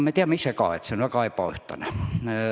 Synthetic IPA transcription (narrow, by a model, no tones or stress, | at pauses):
met̪iæmːisekɑ̰ḛt̪senɑkɑipɑyht̪ɑ̰næ